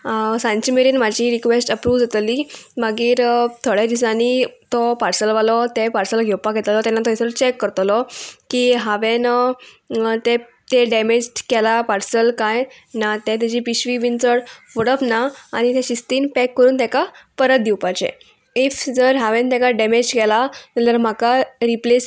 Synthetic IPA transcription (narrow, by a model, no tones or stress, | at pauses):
sãɲt͡ɕimeɾinmad͡ʑiɾikʋesʈəpɾuːʋd͡zat̪libaɡiːɾt̪ʰoɭẽd̪is̬anit̪ɔpaɾsəlʋalɔt̪epaɾsəlɡʱewpaɡʱet̪lɔt̪ɛnːat̪ɔjst͡ɕekːəɾt̪lɔkiːɦaʋen | t̪e | t̪eɖemed͡ʑʈkɛlapaɾsəlkaj | nat̪ɛ̃t̪jɛd͡ʑiːpiɕʋiːʋint͡səɽʋəɽəpnaːɽ̃it̪ɛ̃ɕist̪iːnpɛkːəɾuːnt̪ɛ̃kapəɾət̪̚d̪iwpajt͡ɕḛ | ifd͡zəɾɦaʋẽnt̪ɛ̃kaɖemed͡ʑkɛlamət̪əɾm̤akaɾiples